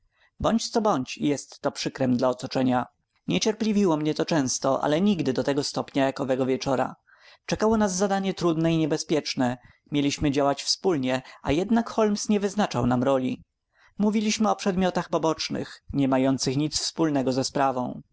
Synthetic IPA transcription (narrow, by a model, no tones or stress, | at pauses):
bɔɲt͡ɕt̪sɔbɔɲt͡ɕijɛst̪ːɔpʂɘkɾɛmd̪laɔt̪ɔt͡ʂɛɲa | ɲɛt͡ɕɛɾplʲivʲiwɔmɲɛt̪ɔt͡ʂɛ̃w̃st̪ɔʔa̰lɛɲiɡd̪ɘd̪ɔt̪ɛɡɔst̪ɔpɲajakɔvɛɡɔvʲjɛt͡ʂɔɾa̰ | t͡ʂɛkawɔnazːad̪aɲɛt̪ɾud̪nɛiɲɛbɛspʲjɛt͡ʂnɛ | mʲjelʲiɕmɘd͡ʑawat͡ɕfspulɲɛa̰jɛd̪nakxɔlmsɲɛvɘznat͡ʂawnamɾɔlʲi | muvʲilʲiɕmɘɔpʂɛd̪mʲjɔt̪axpɔbɔt͡ʂnɘ̰xɲɛmajɔnt̪sɘxɲit̪sfspulnɛɡɔzɛspɾavɔ̰̃w̃